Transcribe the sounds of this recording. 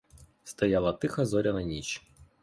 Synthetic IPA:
st̪ɐjɑlˠɐt̪ɪxɐzɔɾʲɐnɐnʲit͡ʃ

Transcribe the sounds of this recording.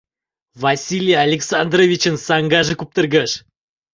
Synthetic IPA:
vasʲilʲijaalʲeksand̪rovʲit͡ɕə̆nsɑŋɡɑʒɤ̆kup̚t̪ə̆rɡəʃ

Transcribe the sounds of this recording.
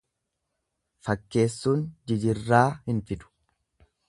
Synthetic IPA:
fɐkːe̞ːsːuːnd͡ʒɪd͡ʒɪrːaːhɪnfɪd̪ʊ̥

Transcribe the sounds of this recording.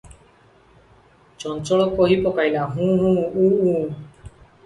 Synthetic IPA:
t͡ʃɔnt͡ʃɔɭɔkoɦipɔkajlaɦũɦũũũ

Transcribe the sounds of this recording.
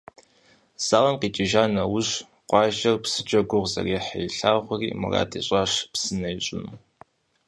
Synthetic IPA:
z̥aːʁɐmqiːt͡ʃʼɪʒaːnɐwʊɕ | qʷɑːʒɐrpsɨ̥d͡ʒʼɐɡʷʊʁzɐ̰reːħɐ̰jɬaːʁʷʊrḭːmɐ̰ra̰ːtʰiɕʷʼaʂpsɨnɐjiɕʼɪnu

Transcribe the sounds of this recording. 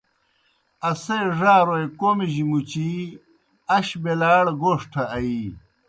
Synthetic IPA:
ɐsejʐaːɾoekoːmiʑimut͡ɕi | ɐɕbelaːɽɡoːʂʈʰɐːi

